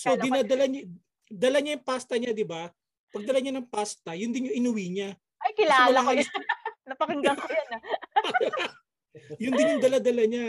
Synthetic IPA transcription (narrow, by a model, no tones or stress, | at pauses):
sod̪ɪnad̪ɐlaɲ | d̪ɐlaɲajʊŋpast̪ɐɲad̪ɪba | pɐɡ̚d̪ɐlaɲanɐŋpast̪ɐjʊnd̪ɪnjʊŋɪnʊwiɲa | ɐjkɪlaoːlaɦajnɐpɐkɪŋɡ̪ɐŋkojɐnɐ | jʊnd̪ɪnjʊŋd̪ɐlad̪ɐlaɲa